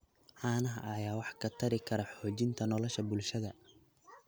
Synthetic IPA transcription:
ʕɑːnɐɦɐʔɐjaːwɑħkʰɐt̪ʰɐɾɪkʰɐɾɐħɔːt͡ʃɪnt̪ʰɐnɔlɔʃɐbʊlʃɐðɐ

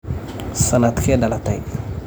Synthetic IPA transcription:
sanat̪kɛdalataj

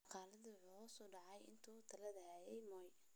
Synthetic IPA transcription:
qʰɑːlɐðʊwʊħuːɐsɔːɖɑʕɑjɪ̰nt̪ʰut̪ʰɐlɐðɐhɛːjɛjmɔj

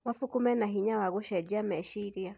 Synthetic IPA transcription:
wafukumɛnaɦiɲawaɣɔʃɛd͡ʒamɛʃiɾia

